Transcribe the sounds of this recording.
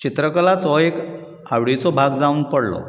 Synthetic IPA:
t͡ɕit̪ɾəkəlat͡sɔek | awɽit͡sɔbʱaɡd͡zauːnpəɽlɔ̰

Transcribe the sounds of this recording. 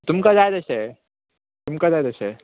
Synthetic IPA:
t̪umkad͡zajt̪əɕe | t̪umkad͡zajt̪əɕe

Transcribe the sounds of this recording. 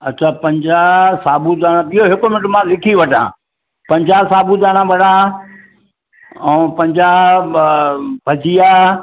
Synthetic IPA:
ɐɕʰaːpɐ̃ɲd͡ʑaːsaːbʱud̪aːɽ̃ãbɪjɦoɦɪkʊmɪnɪʈʊmãlɪkʰiʋɐʈã̰ː | pɐ̃ɲd͡ʑaːsaːbud̪aːɽ̃ãbʱɐɽa | ɛ̃pɐ̃ɲd͡ʑaː | bʱɐd͡ʑʱijaː

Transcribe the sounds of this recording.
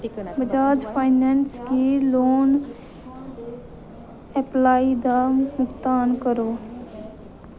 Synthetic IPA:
bɪd͡ʒaːd͡ʒpʰaːɪnɛːnskiloːn | ɛplaːid̪aːmʊkt̪aːnkəɾoː

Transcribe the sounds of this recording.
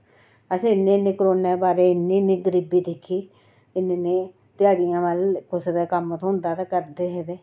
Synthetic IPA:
əsĩːnẽːnẽːkɾoːneːbaːɾeːɪnːẽːnẽːɡəɾiːbiːd̪ɪkʰːiː | ɪneːneː | t̪ɪjaːɽɪjãːʋəlkʊsd̪aːkəmt̪ɦʊnd̪aːt̪akəɾd̪eːɦɛːd̪eː

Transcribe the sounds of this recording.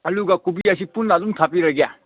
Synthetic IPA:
ɐluɡakubiasipunladumtʰapiɾɐɡija̰

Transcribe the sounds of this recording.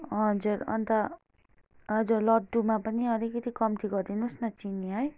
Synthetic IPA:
ɦʌd͡zuɾʌ̰nt̪a | ɦʌd͡zurlʌd̪ːumapʌniʌɾikːʌt̪ikʌmt̪iɡʌrd̪inusnʌt͡sinijaɦʌj

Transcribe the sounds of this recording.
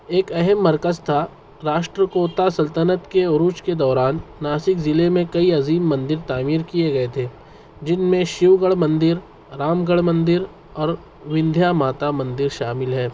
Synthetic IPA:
eːkɛɦɛmːɐɾkəzt̪ʰa | ɾaːʃʈɾəkoːt̪asɐlt̪ənət̪keʊɾuːt͡ʃked̪ɔːɾaːnːaːsɪkzɪlemẽkɐiɐziːmːɐ̃nd̪ɪɾt̪aːmiːɾkijeɡɐet̪ʰeː | d͡ʒɪnmẽʃɪʋɡəɭmɐ̃nd̪ɪɾ | ɾaːmɡəɭmɐ̃nd̪ɪɾ | ɔːɾ | ʋɪ̃nd̪ʱjamaːt̪amɐ̃nd̪ɪɾʃaːmɪlɦɛː

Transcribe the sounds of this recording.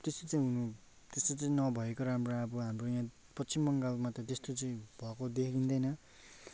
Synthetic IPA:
t̪est̪ot͡saĩɦunu | t̪est̪ot͡saĩnʌbʱʌekoɾamroabʌɦamrojã | pʌsimːʌŋɡalmat̪ʌt̪est̪ot͡saĩbʱʌkod̪ekʰdind̪ʌjnʌ

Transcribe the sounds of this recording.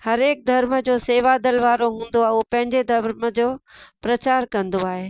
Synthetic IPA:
hɐɾeːk̚d̪ʱɐɾməd͡ʑoːseːʋad̪əlʋaːɾoɦũːnd̪oaːɦɪupɐ̃ɦɪ̃ɲd͡ʑed̪ʱɐɾməd͡ʑoːpɾɐt͡ɕaːɾkɐ̃nd̪oaːɦeː

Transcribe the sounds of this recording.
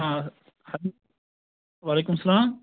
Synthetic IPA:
ã | hai | waːleːkʊmsɐlaːm

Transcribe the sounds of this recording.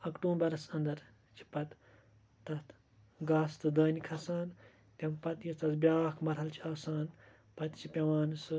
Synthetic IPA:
ɐkʈũːbɐɾɐsɐnd̪ɐɾ | t͡ʃʰi̥pɐt̪ | t̪ɐt̪ | ɡaːst̪ɨd̪ɐːnikʰɐsaːn | t̪ʲɐmpɐt̪jit̪ɐt̪bʲjaːkʰmɐɾɦɐlt͡ʃʰiaːsaːn | pɐt̪t͡ʃʰipʲɐʋaːnɨsɨ

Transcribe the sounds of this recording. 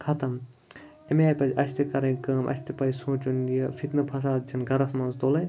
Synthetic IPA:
kʰɐt̪ɐm | emaːpɐzʲʔɐsʰt̪ʰikɐɾɐ̃kɐːmʔɐ̰sʰʲt̪ipɐjsõːt͡ʃunjɐfʰit̪nɐpʰɐs̬aːt̪̚d͡ʒʰɐnɡɐɾɐsmɐnst̪oːlɐj

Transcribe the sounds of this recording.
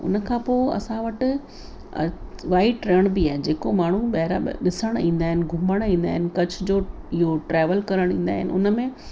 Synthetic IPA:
ʊ̰nə̆kʰãːpoːɪɐ̰sãʋɐʈɪ̆ | ʋaːɪʈɾeːɽ̃biaːɦed͡ʑeːkomaːɳ̤uɓɐɦɪɾaɗɪsəɽ̃ĩːn̆d̪aːɦɪnɪ̆ɡʱʊməɽ̃ĩːnd̪a̰ːɦɪnɪ̆kɐd͡ʑʰʊ̆d͡ʑoːɪɦoʈɾeːʋəlkɐɾəɽ̃ĩːn̆d̪aːɦɪnɪʊ̰nəmẽ

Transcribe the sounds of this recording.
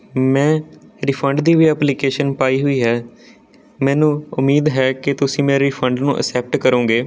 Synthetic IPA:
mɛ̃ːɾiːpʰəɳɖd̪iːʋiːɛːplikeːʃənpaːiːɦʊiːɦɛː | mɛ̃ːnũːʊmːiːd̪ɦɛːkɪt̪ʊsĩːmɛ̃ːɾiːpʰəɳɖnṵ̃ːʔə̰sɛːp̚ʈkəɾũːɡeː

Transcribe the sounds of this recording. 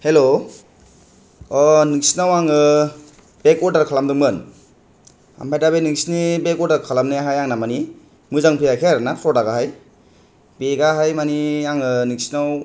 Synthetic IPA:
helo | ɔniŋsinawaŋɯ | b̥ekɔdaɾkʰalamdɯŋmɯn | a̰mpʰajdabeniŋsnibekɔdaɾkʰalamneaɦajaŋnamani | mɯzaŋpʰijakʰeaɾɯnapʰɾɔdaɡaɦaj | beɡaɦajmaniaŋɯniŋsinaw

